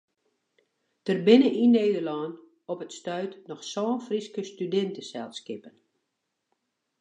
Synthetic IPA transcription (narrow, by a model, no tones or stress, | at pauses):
dərbɪnəʔineːdərlɔːn | ɔpətstœɥtnɔxsɔːnfriskəstydɛntəsɛlˠskɪpən